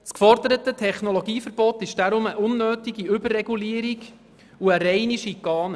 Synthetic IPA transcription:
skfɔrdəɾətətʰɛχnolɔɡiːfəɾb̥ɔt̪ɪʃd̥aɾʊməʔʊnːøːtiɡiʏbərːɛɡuliəɾiɡ | uəɾɛɪniʃikːɑːnə

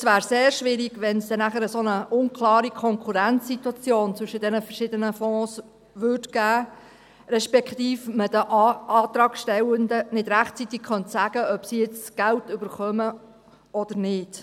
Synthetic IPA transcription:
svæːɾseːɾʃʋɪɾiɡ̥ʋɛnsd̥̪ɛnæχəɾəsonəʔʊnkʰlɑːɾikʰɔŋkʰuɾænt͡sːit̪wɑt͡sjoːnt͡sʋʏʃəd̥̪ɛnəfərʃɪːdənəfɔ̃ːs | ʋʏtɡ̥æː | ɾɛʃpɛkχt̪iːfmədəʔɑːt̪ɾɑːɡ̥ʃtɛwənd̪ənɪdɾæχtt͡sit̪iɡχœntsæːɡ̥əœpsijɪt͡ssɡ̥æltʏbəɾχœmə | ɔd̥̪əɾnɪd̥

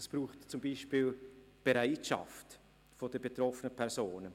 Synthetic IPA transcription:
ɛsb̥ɾuːχtt͡sumbiːʃpiːl | b̥eɾaɪtʃa̰ft | fod̥əbetɾɔfənəpʰɛɾsoːnə

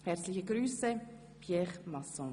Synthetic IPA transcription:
hɛɾt͡slɪçəɡɾyːsə | pʰjɛχmɑsɔ̃

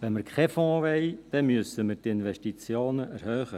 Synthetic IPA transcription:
ʋɛnməɾkʰɛfɔ̃ːʋɛɪd̪̥ɛmʏsəməɾtɪnʋɛʃtit͡sjoːnəʔɛɾhøːχə

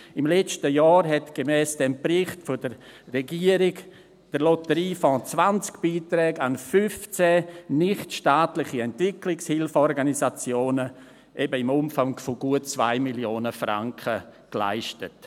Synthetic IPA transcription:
ɪmlɛt͡ʃtəjɑːɾɦɛtɡ̥emɛːsd̥ɛmpɾɪχtfʊdəɾːɛɡiəɾɪɡ | d̥əɾlotəɾiːfɔ̃ːt͡svant͡skb̥iːtɾɛːɡanfyft͡sɛnɪχtʃtaːtlɪχiɛntv̥ɪklɪkshɪlfɔɾɡanisat͡sjoːnə | ʔɛbəɪmʊmfaŋfoɡ̥uətt͡sva̰ɪmiljoːnəfra̰ŋkʰəkla̰ɪʃtət

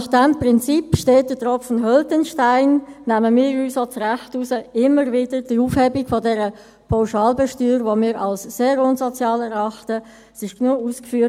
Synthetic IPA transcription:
nɑχd̥ɛmprɪnt͡sipʃteːt̚d̥ətrɔfnɦœltənʃtaɪnːæməmiːɾyːsot͡srɛχtusəɪməɾvid̥əɾd̥iuːfhebiɡfodɛɾə | pʰaʊʃɑːlbɛʃtyːɾvomiːɾɑlsːeːɾʊnzot͡sjɑːlɛɾɑχtə | sɪʃknuəuːskfyː

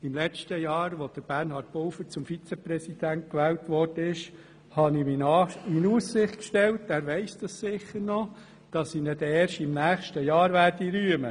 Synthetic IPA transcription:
ɪmlɛt͡ʃtəjɑːɾʋod̥əɾb̥æɾnhɑːɾt̚b̥ɔlfəɾt͡sʊmfit͡sɛpɾɛsid̥̪ænt̚kʋɛːltʋɔrd̥əɪʃ | hɑnininuːssɪχtkʃtɛltæːɾʋɛɪsd̥ɑssɪχəɾnɔ | d̥ɑsinɛd̥ɛːɾʃɪmnæːχʃtəjɑːɾʋæːɾdiɾyəmə

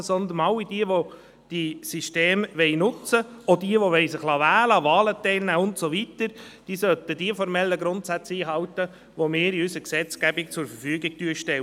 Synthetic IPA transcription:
sɔnd̪ənɑlːid̥iəʋo | d̥isiʃteːmʋɛjnʊt͡səɔdiəʋoʋɛɪsɪχlɑʋæːləɑʋɑːlətɛlnæːʊntsoʋit̪əɾd̥iːsœt̪əd̥iəfɔɾmɛlːəɡɾʊnt̪sæt͡siːɦɑwt̪ə | ʋomɪːɾiysəksɛt͡sɡæbɪk̚t͡sʊɾfəfyːɡɪɡ̥̚tyəʃtɛ

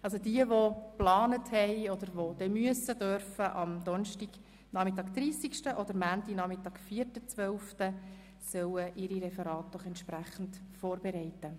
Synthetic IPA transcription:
ɑls̬odiəʋoplɑːnəthɛjɔd̪əɾʋod̥ɛmyəsəd̥øɾfəʔɑmd̥̪ɔnʃtiɡ | nɑχmit̪ɑːkd̪riːsikʃtəʔɔd̥̪əɾmæntinɑmitɑːkfiːrtət͡sʋœlftə | sœwəʔiɾiɾɛfɛɾɑːt̚d̥ɔχɛntʃpɾæχn̩tfɔːɾbeɾɛɪtə

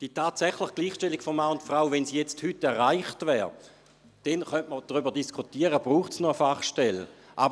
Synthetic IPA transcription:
d̥itaːtsɛχləχɡ̥liːχʃtɛlːiɡ̥fɔmmaːʊntfʁaʊvɛnsijɛt͡sthytːɛɐʁaɪχtvɛːʁ | d̥ɛnχœntməd̥ʁybədiskʰutiəʁəbʁuːχtsnoəfaχʃtɛlʔab

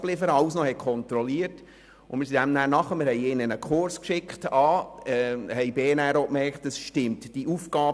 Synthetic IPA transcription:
b̥lɪfəɾəɑʊsnɔhɛt̚kʰɔnt̪ɾɔliːərt | ʊnmɪɾs̬idæmnæːɾnɑχəmɪɾhɛɪjɪnənəkʰʊɾskʃɪkχtɑːɛhɛjbeːnæɾokmɛrkχtdəsʃtɪmtd̥iufɡ̥ɑːb

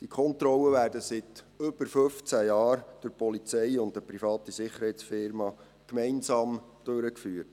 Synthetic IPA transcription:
d̥ikʰɔnt̪ɾɔlːəʋæːɾdəsɪt | ɵb̥əɾfɵft͡sæjɑːɾd̥ʊɾpɔlit͡sɛjʊntəpɾifɑːtisɪχəɾhɛɪt͡sfɪɾmɑ | kmɛɪnsɑːmd̥øɾəkfyːɾt

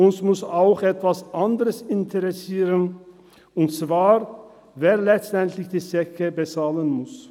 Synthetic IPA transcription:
ʔʊnsmʊsaʊxʔɛtv̥asʔandəʁəsɪntʰəʁɛsiːʁən | ʊnt͡sv̥aːʁ | veːɐlɛt͡stɛntlɪçd̥iːsɛkəbət͡saːlənmʊs

